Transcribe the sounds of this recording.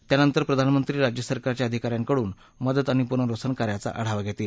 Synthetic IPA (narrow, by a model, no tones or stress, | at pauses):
t̪janənt̪əɾpɾəd̪ʱanmənt̪ɾiːɾad͡ʑjəsəɾkaɾat͡ɕjaəd̪ʱikaɾjaŋkəɽuːn | məd̪ət̪aɽ̃ipuɾɳəɾosənkaɾjat͡sa̰ʔəɽ̤aʋaɡʱet̪iːl